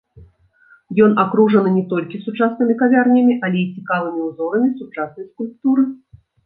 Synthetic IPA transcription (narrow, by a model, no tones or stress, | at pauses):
jɔnakɾuʐɐnɨnʲɛt̪ɔlʲkʲisut͡ʂasnɨmʲikavʲarnʲɐmʲiʔɐlʲɛit͡sʲikalˠɨmʲiuzɔɾɐmʲisut͡ʂasnɐjskulʲp̚t̪uɾɨ